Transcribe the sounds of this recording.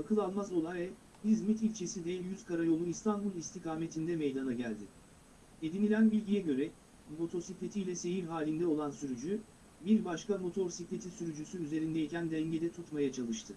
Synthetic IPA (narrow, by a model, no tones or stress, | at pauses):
akʰɯlˠalˠmazo̞lˠajvɛ | hizmit̪ilʲt͡ʃʰe̞sid̪ɛjyzkaɾajo̞lˠuist̪ʰanbulˠist̪ʰikaːme̞t̪ʰind̪ɛmejd̪anaɟælʲd̪ɪ | ed̪inilʲænbilʲɟijɛɟø̞ɾɛ | mo̞t̪ʰo̞siclʲet̪ʰijlʲɛse̞jiɾɦaːlʲind̪ɛo̞lˠansyɾyd͡ʒy | biɾbaʃkamo̞t̪ʰo̞ɾsiclʲe̞t̪ʰisyɾyd͡ʒysyyze̞ɾind̪ejicænd̪ɛɲɟe̞d̪ɛt̪ʰut̪majat͡ʃʰalˠɯʃt̪ʰɯ